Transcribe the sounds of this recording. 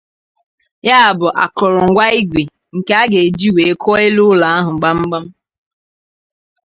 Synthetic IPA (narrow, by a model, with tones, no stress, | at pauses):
ja˦a˨bʊ˨ʔa̰˨kʊ˨ɾʊ˨ŋ̩˨ɡʷa˦i˦ɡʷi˨ | ŋ̩˨ke˦a˦ɡe˨d͡ʒi˦we˨e˦kʰɔ˦e˦lʊ˦la˨a˦ɦʊ˨ɡ͡ba˦m̩˦ɡ͡ba˦m̩˦